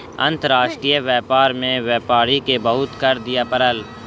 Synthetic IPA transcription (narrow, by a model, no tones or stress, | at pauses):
ə̰̃nt̪əɾaːʃʈɾijəʋɛːpaːɾmẽʋɛːpaːɾikebɐɦʊt̪kɐɾd̪ijapəɾəl